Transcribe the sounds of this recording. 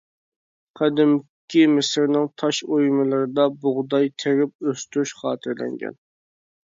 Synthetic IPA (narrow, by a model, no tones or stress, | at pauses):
qʰɛd̪ɪm | kʲimɪsɪɾnɪŋt̪ʰɑʃojmɨlˠɨɾɨd̪ɑbʊʁd̪ɑjt̪ʰeɾɪp̚øst̪ɾyʃχɑ̰ːt̪ʰɨɾlɛ̰ŋɡʲɛ̰n